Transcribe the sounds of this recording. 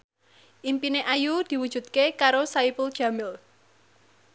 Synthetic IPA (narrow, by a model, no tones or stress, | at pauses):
ʔimpineʔajud̪̥i̤wud̥ʒ̥ṳt̪̚kekaɾosaipʊld̥ʒ̥a̤mɪl